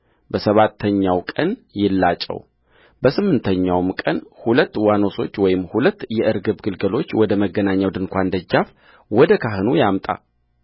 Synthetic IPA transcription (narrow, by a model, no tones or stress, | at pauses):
bəsəβat̪ʰːəɲːawkʼənjɪlːat͡ʃʼːə̰w | bəsɨmːɨnt̪ʰəɲːawmkʼənhulət̪ːwano̞so̞t͡ʃːwɔjɪmhulət̪ːjɛʔɨɾɡɨbɡɨlɡəlo̞t͡ʃːwɔd̪əməɡːənaɲːawd̪ɨŋkʷand̪əd͡ʒːaf | wɔd̪əkʰaɦɨnujamt̪ʼa̰